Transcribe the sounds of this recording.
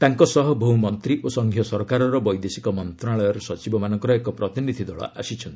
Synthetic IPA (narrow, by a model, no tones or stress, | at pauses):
t̪aŋkɔsɔɦɔbʱowmɔnt̪ɾiʔosɔŋɡʱjɔsɔɾkaɾɔɾɔbɔjd̪esikɔmɔnt̪ɾaɭɔjɔɾɔsɔt͡ʃibɔmanɔŋkɔɾɔekɔpɾɔt̪inid̪ʱid̪ɔɭɔ̰ʔa̰sit͡ʃʰɔnt̪i